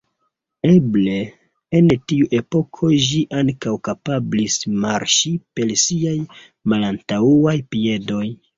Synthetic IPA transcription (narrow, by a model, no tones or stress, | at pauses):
e̞ble̞ | entiuʔe̞po̞kʰo̞ʒiʔaŋkawkapablismaɾʃipe̞lsiaj | malantauajpie̞do̞j